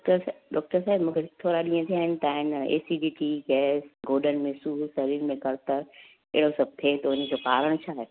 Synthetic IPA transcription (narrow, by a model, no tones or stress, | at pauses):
kʈəɾɖɔːk̚ʈəɾsaːɪbmũːkʰet̪ʰoːɾaɗĩə̃t̪ʰiaːɦɪnɪ̆t̪aːɦɪnḛːsiɖiːʈiɡɛːsɡoːɖənmẽsuːsɐɾiːɾmẽkɐɾt̪əɾ | ḛɦɪɽosɐb̚t̪ʰeːt̪ɐʊnəd͡ʑoːpaːɾəɽ̃t͡ɕʰaːɦeː